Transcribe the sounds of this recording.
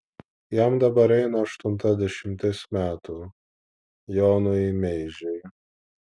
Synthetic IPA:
jæmd̪ɐbɐɾɛɪnɐɐʃt̪ʊnt̪ɐd̪ʲɛʃʲɪmʲt̪ʲɪsmʲæːt̪u | jɔːnʊmʲɛɪʒʲɛɪ

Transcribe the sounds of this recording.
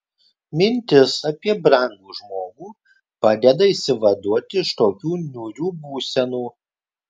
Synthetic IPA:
mʲɪnʲt̪ʲɪsɐpʲiɛbɾɑˑŋɡ̪uːʒmoːɡuː | pɑːd̪ʲɛd̪ɐiːsʲɪʋɐd̪uɔt̪ʲɪɪʃt̪oːkʲuːnʲuːɾʲuːbuːsʲɛnuː

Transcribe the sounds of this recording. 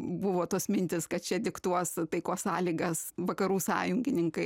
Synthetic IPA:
bʊʋoːt̪oːsmʲɪnʲt̪ʲɪskɐt̪̚t͡ʃʲɛd̪ʲɪkt̪uɔst̪ɐɪkoːssɑːlʲiːɡɐsʋɐkɐɾuːsɑːjʊŋʲɡʲɪnʲɪŋkɐɪ

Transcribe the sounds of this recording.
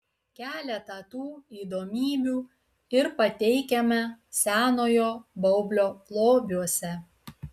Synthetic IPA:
kʲæːlʲɛt̪ɐt̪uːiːd̪oːmʲiːbʲuː | ɪɾpɐt̪ʲɛɪkʲɛmʲɛsʲæːnoːjoːbɐʊbʲlʲoːplˠoːbʲuɔsʲɛ

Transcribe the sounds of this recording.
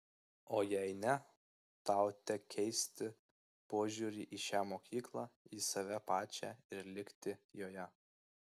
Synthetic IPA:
oːjɛɪnʲɛ | t̪ɑˑʊt̪ʲɛkkʲʰɛɪsʲt̪ʲɪ | poːʒʲuːɾʲiːʔiːʃʲæːmoːkʲiːklˠɑiːsɐʋʲɛpɑːt͡ʃʲæ̰ɪɾlʲɪkʲt̪ʲɪjoːjɛ

